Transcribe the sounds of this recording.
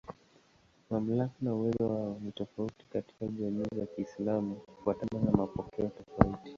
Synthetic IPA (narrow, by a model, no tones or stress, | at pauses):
mam̩lakanauwɛzɔwaɔnitɔfauti̥kati̥kaʄamizakiːslamukufuatananamapɔkɛɔtɔfauti̥